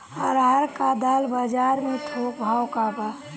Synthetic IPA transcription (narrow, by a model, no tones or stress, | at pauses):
əɾɦəɾkad̪albəd͡ʒaɾmẽt̪ʰok̚bʱawkaba